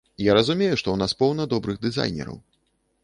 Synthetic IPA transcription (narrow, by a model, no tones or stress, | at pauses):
jaɾɐzumʲejuʂt̪ɔwnaspɔwnɐd̪ɔbɾɨɣd̪ɨza̰jnʲɛ̰ɾɐ̰w